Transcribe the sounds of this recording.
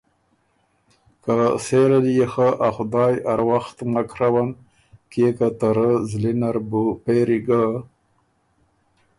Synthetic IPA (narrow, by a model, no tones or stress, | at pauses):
kaseɾalijexaʔaxʊd̪ɑːjaɾwaxt̪makɾawan | kekat̪aɾəzlinaɾbupeɾiɡa